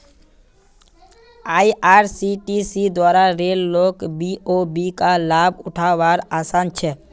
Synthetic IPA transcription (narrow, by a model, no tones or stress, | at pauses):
ajʔaɾsiʈisid̪waɾaɾelːokbiʔobikalabuʈʰawaɾasant͡ʃʰɛ